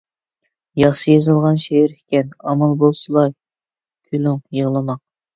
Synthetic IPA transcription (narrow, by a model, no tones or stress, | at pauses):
jɑχʃjezɨlˠʁɑnʃeɾɪkʲɛnɑmɑlˠbolˠsɨlˠɑɾ | kʲʰylʊŋjəʁlˠɨmɑq̚